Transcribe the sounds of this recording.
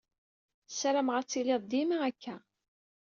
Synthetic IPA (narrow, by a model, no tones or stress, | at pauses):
sɾamʁəɾt͡sːilɪðˤd̪imaækːæ